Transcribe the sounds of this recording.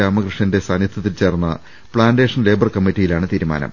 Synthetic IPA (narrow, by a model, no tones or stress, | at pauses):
aːmɐkrɨʂɐnde̞saːnjɐt̪ʰːɐt̪ːilt͡ɕe̞ːrnːɐ̰ | pɭaːnde̞ːʂɐnle̞ːbɐrkɐmːitːijilaːɳɨt̪iːɾuma̰ːnɐ̰m